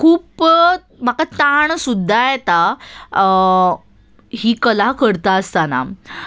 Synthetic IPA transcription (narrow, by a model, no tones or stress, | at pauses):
kʰuːp | m̤akat̪aɳsud̪ʱːajet̪a | ɦiːkəlakəɾt̪aəst̪ana̰